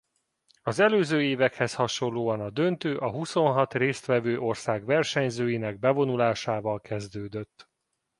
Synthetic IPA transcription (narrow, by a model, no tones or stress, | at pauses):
ɒzɛløːzøːeːvɛkhɛshɒʃo̞nloːɒnɒd̪ø̞nt̪øːʔɒɦuso̞nɦɒt̪reːst̪ʋɛvøːʔo̞rsaːɡvɛrʃɛɲzøːjinɛɡ̚bɛvo̞nulaːʃaːvɒlkɛzd̪øːd̪øt̪ː